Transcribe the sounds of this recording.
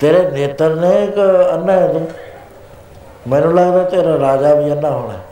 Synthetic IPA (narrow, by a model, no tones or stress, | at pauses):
t̪eːɾeːneːt̪əɾnẽkənːaɛd̪u | mɛ̃ːnũːləɡd̪aːɦɛt̪eːɾaɾaːd͡ʒaːbʱiːənːaːɦoːɽ̃aːɦɛː